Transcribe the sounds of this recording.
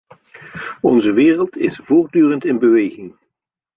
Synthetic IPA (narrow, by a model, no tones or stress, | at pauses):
ɔnzəʋɪːrəlˠtɪ̰sv̥ʊːɹdyːrəntɪnbəʋejχɪŋ